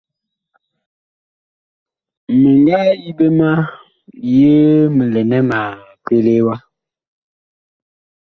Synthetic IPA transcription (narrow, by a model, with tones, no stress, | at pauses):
me˨ŋɡa˦i˦be˦ma˦ | je˦mə˨lɛ˨nɛ˦ma˨ | ke˦le˦wa˦